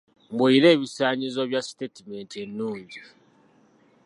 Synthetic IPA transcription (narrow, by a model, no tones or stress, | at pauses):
mbuiɾe̞ːβisaːɲizoβjastetime̞ntenːuːɲɟi